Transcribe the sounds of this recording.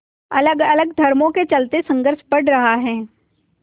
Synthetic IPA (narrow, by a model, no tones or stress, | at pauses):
ɐləɡɐləɡd̪ʱɐɾmõket͡ʃɐlt̪esɐ̃ŋɡəɾʃpɐɽɾɐɦaɦɛː